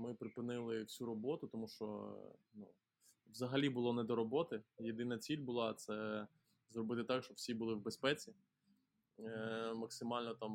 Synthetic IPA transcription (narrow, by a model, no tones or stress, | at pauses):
mɪpɾɪpɪnɪlˠɪwsʲuɾɔbɔt̪ʊt̪ɔmuʃt͡ʃɔ̰nu | ʋzɐɦɐlʲibʊlˠɔnɛd̪ɔɾɔbɔt̪ɪjed̪ɪnɐt͡sʲilʲbʊlˠɑt̪sɛ | zrɔbɪt̪ɪt̪ɑkʃt͡ʃɔbwsʲibʊlˠɪwbespɛt͡sʲi | mɐksɪmɑlʲnɔt̪ɑm